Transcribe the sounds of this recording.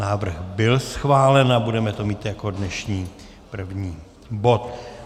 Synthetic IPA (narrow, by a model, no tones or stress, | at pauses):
aːvr̩ɣbɪlsxvaːlɛnabudɛmɛt̪o̞miːt̪jakodnɛʃɲiː | pr̩vɲiː | bo̞t̪